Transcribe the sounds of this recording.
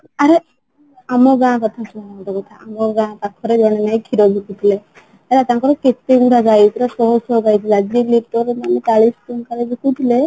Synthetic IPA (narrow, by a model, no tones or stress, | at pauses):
aɾe | amɔɡãkɔt̪ʰasuaakɔʈɔkɔt̪ʰaamɔɡãt̪akʰɔɾed͡ʒɔɽ̃ɛnaj̃kʰiɾɔɡʱikut̪ʰile | alat̪aŋkɔɾɔket̪eɡuʈaɡajt̪ɔɾasɔɦɔsɔɡajt̪ʰilead͡ʒilik̚ʈɔɾmanit͡ʃaɭisʈunkaɾeɡikut̪ʰile